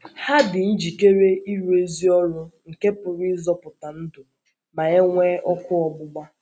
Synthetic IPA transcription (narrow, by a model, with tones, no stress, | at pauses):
ha˦dɪ˨n̩˦d͡ʒi˨ke˦ɾe˦i˦ɾu˦e˦zi˦ɔ˦lʊ˦ŋ̩˨ke˦pʊ˨ɾɪ˦zɔ˦pʊ˨ta˨n̩˦dʊ˨ | ma˨ɲe˦ŋʷe˦ʔɔ˦kʊ˦ɔ˨ɡ͡bʊ˦ɡ͡ba˦